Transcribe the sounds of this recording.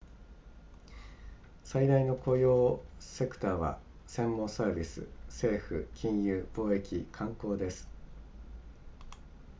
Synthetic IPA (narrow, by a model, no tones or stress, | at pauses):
said̪aino̞ko̞jo̞ːse̞kɯ̟̥t̪aːβa̰ | sẽ̞mːõsaːbʲisɨ̰se̞ːɸɯ̟kʲʰĩɰ̃jɯːb̥o̞ːe̞kʲikʰãŋko̞ːd̪e̞sɨ̥